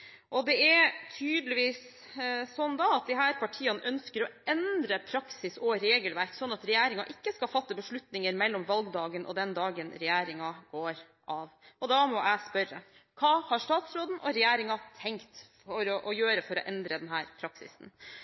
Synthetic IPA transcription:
ʔɔd̪ɛæɾt̪ʰyːd̪lɪʋiːs | sɔnd̪ɑɑt̪̚d̪ɪɦæːɾpʰɑʈʰiːɑnəʔœnskəɾɔʔɛnd̪ɾəpʰɾɑksɪsɔɾeːɡəlʋæɾksɔnːɑt̪ɾɛjæːɾɪŋɑʔɪkːəskɑfɑt̪ːəbəʂɭʉt̪nɪŋəɾmɛlːɔmʋɑlɡd̪ɑːɡənʔɔ̰d̪ɛnd̪ɑːɡənɾɛjæːɾɪŋɑɡ̥oːɾ | ʔɑʋʔɔd̪ɑmɔʔæɪspœɾːə | kʰɑːhɑʂt̪ɑːt̪sɾoːd̪nʔɔɾɛjæːɾɪŋɑt̪ʰɛŋkt̪fɔɾɔʔɔjøːɾəfɔɾɔ̰ʔɛnd̪ɾəd̪ɛnɦæːɾpʰɾɑksɪ̰sn̩

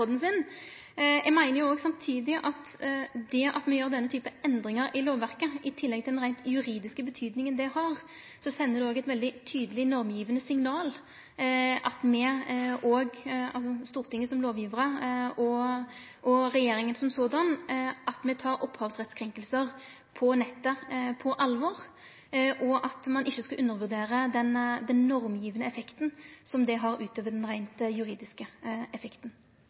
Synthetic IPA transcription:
ɔd̪n̩sɪn | jɛɡmæɪnəʁjʊoːɡsɑmt̪ʰiːd̪ɪʔɑt̪d̪ɛʔɑ̰t̪mɛjøːʁd̪ɛnːət̪ʰyːpəɛnd̪ʁɪŋəɾɪloːʋʋæʁkəʔɪt̪ʰɪlːɛɡ̚t̪ɪld̪ɛnʁæɪnt̪jʉɾiːd̪ɪskəbət̪ʰyːd̪nɪŋənd̪ɛhɑʁ | sɔsɛnːəd̪ʉoːɡɛɪt̪ʋɛld̪ɪt̪ʰyːd̪əlɪnɔʁmjiːʋənəsɪŋnɑːl | ʔɑt̪mɛoːɡɑlsɔst̪uːʁt̪ʰɪŋːəsɔmloːʋjiːʋəʁəɔ | ʔɔʁɛjeːɾɪŋənsɔmsoːd̪ɑnʔɑt̪mɛt̪ʰɑːɾɔpːhɑːʋsʁɛt̪skʰɾɛŋkəlsəʁ | pʰɔnɛt̪ːəpʰɔʔɑlʋɔːʁ | ʔɔʔɑt̪mɑnʔɪçːəskɑʔʉnːəɾʋʉʁd̪eːɾəd̪ɛnd̪ɛnːɔʁmjiːʋənəɛfɛkt̪ənsɔmd̪ɛɦɑɾʉːt̪ʰøːʋəɖ̪ɛnʁæɪnt̪jʉɾiːd̪ɪskəɛfɛkt̪n̩

